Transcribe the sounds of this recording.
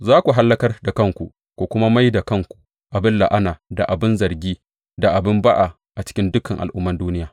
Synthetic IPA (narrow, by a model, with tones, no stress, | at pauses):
zaː˦kʷu˨ɦa˦lːɐ˦kɐ˦rda˨kɐ˦˨ŋkʷu˨ʔ | kʷu˨kʷʊ˦ma˦ma˦jda˨kɐ˦ŋkʷu̥˨ | ʔa˨bɪ˦nla˨ʔa˦naː˨da˨ʔa˨bɪ˦nzɐ˨rɡʲiː˦ | da˨ʔa˨bɪ˦mba˦ʔa˨ | ʔa˨t͡ʃɪ̥˦kʲɪ˦ndʊ˦kɐ˨ŋʔa̰˨lʔʊ˦mːɐ˦nduː˦nɪ˦jaː˨